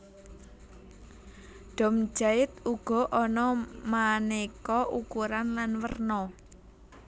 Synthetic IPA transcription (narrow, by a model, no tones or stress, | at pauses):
ɖ̪̥ɔ̤m̥d͡ʒ̥aɪt̪uɡ̥ɔ̤ʔɔnɔmanekɔʔukuɾanlanwə̰rnɔ